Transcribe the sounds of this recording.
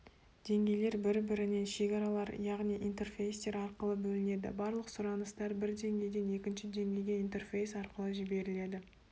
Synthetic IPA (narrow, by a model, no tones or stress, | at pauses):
d̪̥e̞ŋɡʲe̞jle̞ɾbɪɾbɪɾɪne̞nʃe̞kʲɑɾɑlˠɑɾjɑʁnijʔint̪e̞rfʲe̞jst̪e̞ɾɑɾqəlˠəbɵlɪne̞d̪ɪ̰bɑɾlˠəqsʊɾɑnəst̪ɑɾbɪɾd̪e̞ŋɡʲe̞jd̪e̞ne̞kʲɪnʃɪd̪e̞ŋɡʲe̞jɡʲe̞int̪e̞rfe̞jsɑɾqəlˠəʒɪbe̞ɾɪle̞d̪ɪ